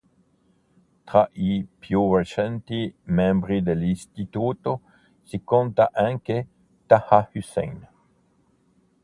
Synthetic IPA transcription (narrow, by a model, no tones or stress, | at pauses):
t̪ɾaʔipjuret͡ʃɛnt̪imɛ̃mbɾid̪elinst̪it̪uːt̪o | sikont̪aʔaŋke | t̪ahahysɛ̰jn